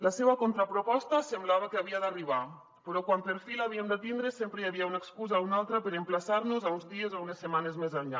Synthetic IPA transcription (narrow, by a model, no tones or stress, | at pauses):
laseβakont̪ɾapɾopɔst̪asemblaβakeaβiad̪ariβ̞a | pɾɔkwampeɾfilaβiemd̪et̪ind̪ɾesempɾejaβiaunaekskuzaunalˠt̪ɾapeɾemplasaɾnuzaunzðiezaunesːemanezmezaɲʎa